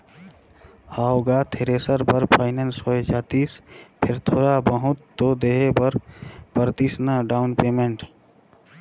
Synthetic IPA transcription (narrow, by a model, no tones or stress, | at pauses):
haːoɡat̪ʰeɾeːsəɾpəɾpʰaːɪnensoed͡ʒaːt̪iːspʰɪɾt̪ʰoːɾabəɦʊ̃t̪ːod̪eːɦebəɾpəɾt̪isnəɖaːʊnpeːmẽɳʈ